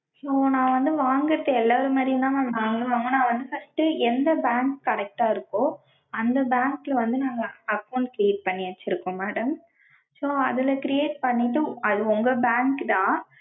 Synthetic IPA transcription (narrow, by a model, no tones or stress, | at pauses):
soːnãːʋɐnd̪ɯʋaːŋɡɪɾɐt̪ːɐɛlːaːɾɯmaːd̪ɾinãːaːŋɡɐlɯ̃ʋaːŋɡɐ̃nãːʋɐnd̪ɯfɐsʈːɯɛnd̪ɐbaːŋkkɐɽɛk̚ʈaːɪɾɯkːõː | ɐnd̪ɐbaːŋkɪlɐʋɐnd̪ɯnaːŋɡɐɐkɐʊɳɖkɾɪjeːʈ̚pɐɳːɪʋɐt͡ʃːɪɾɯkːʊ̃ːmaːɽɐm | soːɐðɪlɐkɪɾɪjeːʈ̚pɐɳːɪʈːɯɐðɯɔŋɡɐbaːŋkɯt̪ãː